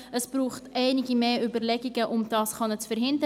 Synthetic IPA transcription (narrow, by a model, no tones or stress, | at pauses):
əsb̥ɾuːχtʔɛɪnɪɡimeːʔybəɾlɛɡiɡəʔʊmd̥ɑːsχɑnət͡sfɛɾɦɪndə